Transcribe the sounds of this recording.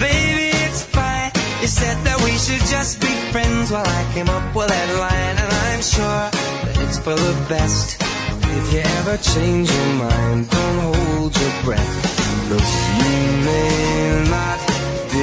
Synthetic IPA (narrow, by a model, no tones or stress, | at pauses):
b̥eɪbiɪtsfaɪ̃ | ɨsɛd̪̚ðɨt̚wiʃɨd̚d͡ʒʌsb̥ifɹɛ̃ndzwaɪlˠaɪkʰẽɪ̃mʌp̚wəðɨtˡlãɪ̃nɨ̃nãɪ̃mʃʊɹ | ðɨɾɨtsfə˞ðəbɛst | ɪfjɨɛvə˞t͡ʃʰẽɪ̃nd͡ʒjə˞mãɪ̃nddõʊ̃nt̚ɦoʊlˠlˠdzə˞bɹɛ̰θb̥ʌtjɨmeɪnət̚